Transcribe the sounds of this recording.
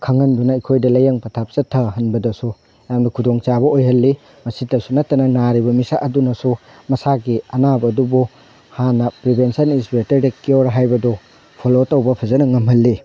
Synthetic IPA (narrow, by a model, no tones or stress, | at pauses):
kʰɐŋɐndunɐikʰojdɐlɐjɐŋpɐtʰap̚sɐtʰːɐɦɐnbɐdɐsu | jamnɐkʰudoŋt͡ʃabɐojhɦɐlːi | mɐsitːɐsunɐtːɐnɐnaɾibɐmisaʔɐdunɐsu | mɐsaɡiɐnabɐdubu | hanɐpɾibʱensɐninspetɐɾdekioɾɦajbɐdɔ | pʰolotɐwbɐpʰɐzɐnɐŋɐmɦɐlːi